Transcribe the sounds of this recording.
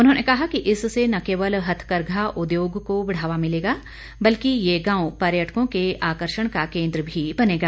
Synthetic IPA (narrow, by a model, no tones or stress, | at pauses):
ʊnɦõːnekɐɦakiʔɪssenakeːʋəlɦɐt̪ʰkəɾɡʱaʔʊd̪joːɡkobɪɽ̤aːʋamɪleːɡaː | bɐlkijeɡãːwpɐɾjəʈʰkõkeaːkəɾʃəɽ̃kakẽːnd̪ɾəbʱibɐneːɡaː